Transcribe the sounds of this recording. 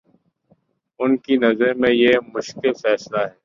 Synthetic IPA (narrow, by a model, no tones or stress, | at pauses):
ʊnkinɐzɾmẽjemʊʃkɪlfɛːslaɦɛː